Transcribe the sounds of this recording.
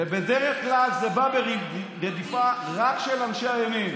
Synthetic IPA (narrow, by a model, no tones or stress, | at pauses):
ebedeʁeχklalzebabe | ʁed̪ifaʁakʃelanʃeajamim